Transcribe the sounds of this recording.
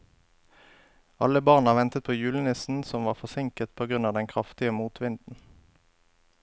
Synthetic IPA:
ɑləbɑːʁnɑːʋɛnt̪ət̪̚pʰoːjʉːlənɪsn̩sɔmʋɑːʁfɔʁsɪŋkət̪pʰoːɡʁʉnɑːd̪ɛŋkʰʁɑft̪ɪəmuːt̪ʰʋɪnd̪n̩

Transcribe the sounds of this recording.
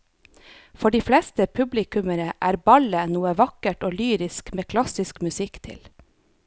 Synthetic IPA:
fɔɖiːflɛst̪əpʰʉblɪkʉməɾəʔæːɾbɑlənuːəʋɑkəʈoːlyːɾɪskmeːkʰlɑsɪskmʉsɪkt̪ʰɪ̰l

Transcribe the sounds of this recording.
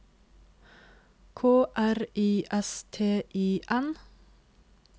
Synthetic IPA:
kʰoːʔæɾiːʔɛst̪ʰeːʔiːʔɛn

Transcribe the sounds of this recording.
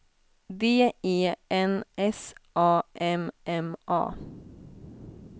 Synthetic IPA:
d̪eːeːɛnʔɛsʔɑːʔɛmʔɛmʔɑ̰ː

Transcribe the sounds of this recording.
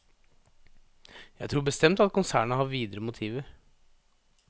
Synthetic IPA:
jæɪt̪ʰɾuːbəst̪ɛmt̪ɑt̪̚kʊnsæːɳəhɑʋiːd̪əɾəmʊt̪ʰiːʋəɾ

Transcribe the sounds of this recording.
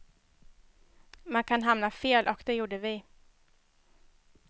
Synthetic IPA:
mankʰanɦamnafeːlʔɔkd̪ɛjuːɖəvɪ

